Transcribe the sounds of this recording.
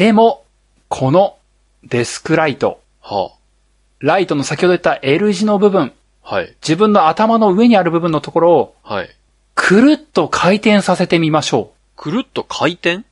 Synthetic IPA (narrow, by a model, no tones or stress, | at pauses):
d̪̥e̞mo̞ | kʰo̞no̞ | d̪̥e̞sɨ̥kɯ̟ɾait̪o̞̰ | ha̰ | ɾait̪o̞no̞sak̬ʲihod̪oet̪ːaʔe̞ɾɯ̟ʑino̞bɯ̟bɯ̟̃ŋ | haid͡ʑibɯ̟̃nːo̞at̪amano̞ɯ̟e̞ɲ̟iaɾɯ̟bɯ̟bɯ̟nːo̞t̪o̞ko̞ɾo̞ːhai | kʰɯ̟ɾɯ̟t̪ːo̞kʰait̪ẽ̞ɰ̃sase̞t̪emʲimaɕo̞ː | kʰɯ̟ɾɯ̟t̪ːo̞kʰait̪ẽŋ